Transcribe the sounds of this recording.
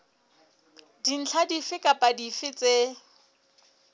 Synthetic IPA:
din̩t͡ɬʰadifɪkʼapʼadifɪt͡sʼe

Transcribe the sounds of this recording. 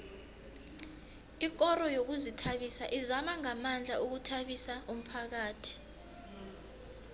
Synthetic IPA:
ik̬ʼɔɾɔjok̬uzitʰaɓisaʔizamaŋamand͡ɮʱaʔuk̬utʰaɓisaum̩pʰak̬aːtʰi̥

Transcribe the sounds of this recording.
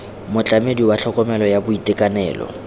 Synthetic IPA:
mʊt͡ɬʼamediwaɬʰɔkʼɔmɛlɔjabʊitʼɪkʼanɛ̰ːlɔ̰

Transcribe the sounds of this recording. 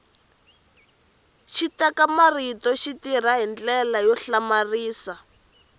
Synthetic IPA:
ʃitɛkamaritɔʃitir̤aɦind͡ɮɛlajɔɬamariːsa

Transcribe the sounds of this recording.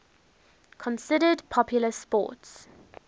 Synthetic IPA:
kʰɔ̃nsɪɾədpʰɔpʰjʊləspɔ̰ːˑts

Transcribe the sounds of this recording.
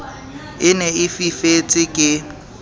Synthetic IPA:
ɪneɪfifet͡sʼɪkʼɪ

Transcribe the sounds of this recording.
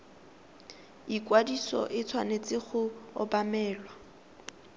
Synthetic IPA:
ikwadisɔ̰ʔɪt͡sʰwanet͡sʼɪχʊɔ̰bamɛːlwa

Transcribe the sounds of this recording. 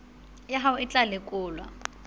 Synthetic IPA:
jaɦawʊɪt͡ɬʼalɪkʼʊːlwa̰

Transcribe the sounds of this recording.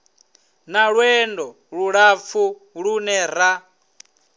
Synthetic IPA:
naɺwɛndɔ | ɺuɺap̪fʰu | ɺunɛɾa

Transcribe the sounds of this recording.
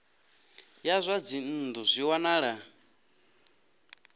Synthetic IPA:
jazʷad͡zin̩d̪uzʷiwanaːɺa

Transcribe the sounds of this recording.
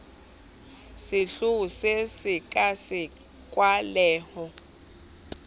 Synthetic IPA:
sɪɬusesɪkʼasɪ | kʼwalɛːhɔ

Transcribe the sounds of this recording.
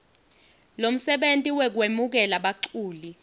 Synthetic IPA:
lom̩sɛɓentʼiwɛk̬wemuk̬ɛlaɓaǃuːli

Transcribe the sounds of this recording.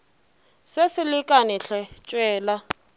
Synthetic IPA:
sesɪlɪkʼanɪɬɛt͡ʃʼwɛːla

